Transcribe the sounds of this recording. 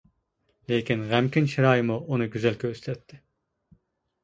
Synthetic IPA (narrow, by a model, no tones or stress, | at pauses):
lekʲinʁæmkʲinʃiɾɑːjɪmuʔunɨɡʲyzɛlkʲøøslɛt̪ʰːɪ